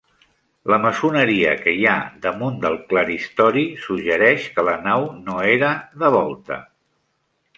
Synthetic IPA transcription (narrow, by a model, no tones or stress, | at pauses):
ləməsunəɾiə̰kəjaðəmund̪əlˠkləɾist̪ɔɾisuʒəɾɛʃkələnawnoeɾəðəβɔlˠt̪ə̰